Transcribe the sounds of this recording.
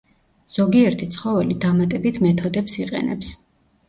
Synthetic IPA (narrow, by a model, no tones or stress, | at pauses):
z̥ɔɡiɛɾt̪ʰit̪sʰχɔvɛlid̪amat̪ʼɛbit̪ʰmɛt̪ʰɔd̪ɛpsiqʼɛ̰nɛ̰ps